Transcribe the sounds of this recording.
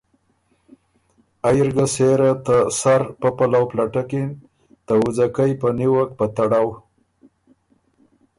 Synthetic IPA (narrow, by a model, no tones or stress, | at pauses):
ajɾɡaseɾat̪əsaɾpəpalawplaʈakin | t̪əʊzakajpəniwak̚pət̪aɽaw